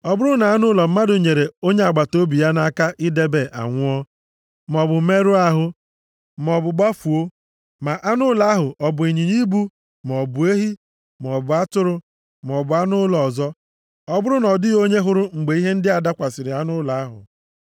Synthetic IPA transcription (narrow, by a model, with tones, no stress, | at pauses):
ɔ˦bʊ˦ɾʊ˦na˨a˦nʊ˦lɔ˨m̩˦ma˦dʊ˨ɲe˨ɾe˨o˦ɲe˦a˨ɡ͡ba˨to˦bi˨ja˦na˦ka˦ʔɪ˦de˦be˨ʔa̰˨ŋʷʊ˦ɔ˦ | m˨ɔ˨bʊ˨˦me˦ɾu˦a˦ɦʊ˦ | m˨ɔ˨bʊ˨ɡ͡ba˦fu˨o˦ | ma˨ʔa˦nʊ˦la˨˦a˦ɦʊ˨ʔɔ˨bʊ˨i˨ɲi˨ɲi˦bu˦ | m˨ɔ˨bʊ˨e˦ɦi˦ | m˨ɔ˨bʊ˨a˦tʊ˦ɾʊ˦ | m˨ɔ˨bʊ˨a˦nʊ˦lɔ˨zɔ˦ | ɔ˦bʊ˦ɾʊ˦nɔ˨dɪ˦ɣo˦ɲe˦ɦʊ˦ɾʊ˦ŋ͡m̩˨ɡ͡be˨i˦ɦe˦n̩˦dɪ˦a˨da˦kʷa˨sɪ˨ɾɪ˨a˦nʊ˦la˨a˦ɦʊ̰˨